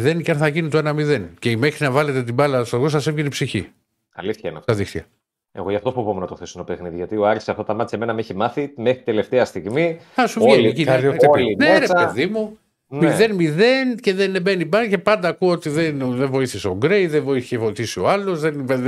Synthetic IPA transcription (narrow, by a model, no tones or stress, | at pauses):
iðe̞nceɐnθɐʝinit̪oenɐmiðenceime̞xɾinɐvɐle̞t̪et̪̬ibɐlɐst̪oɣosɐsevʝenipsiçḭ | ɐ̰liθçɐenɐ̰ft̪ɐðixθçɐ | e̞̰ɣojɐft̪ofopomenɐt̪oxθesoinopexniðiʝɐt̪ioɐɾçsɐft̪ɐt̪ɐmɐt̪it͡seme̞nɐmeçimɐθimexɾit̪e̞le̞ft̪eɐst̪iɣmiɐsuvʝeiecinolineɾeɐeðimu | nmiðe̞nmiðe̞nce̞ðenbenibɐlce̞pɐnd̪ɐːkuot̪iðenðeɱvo̞iθiseo̞ɡɾejðevo̞iθiçevoiθisio̞ɐlo̞zðenve